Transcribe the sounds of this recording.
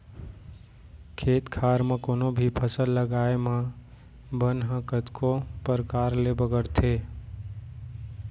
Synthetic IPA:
kʰeːt̪kʰaːɾmẽkoːnobʱipʰəsəlːəɡaːemã | bənɦə̃kət̪kopəɾkaːɾlebəɡəɽt̪ʰeː

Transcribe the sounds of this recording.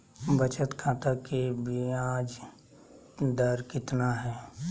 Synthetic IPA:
bət͡ʃət̪kʰãːt̪akebʱiaːd͡ʒ | d̪əɾkɪt̪naɦɛː

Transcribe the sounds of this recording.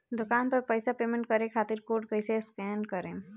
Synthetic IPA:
d̪ʊkaːnpɐɾpəjsapeːmẽɳʈ̚kɐɾẽkʰaːt̪ɪɾkoːɾɖkəjseskɛːnkɐɾẽː

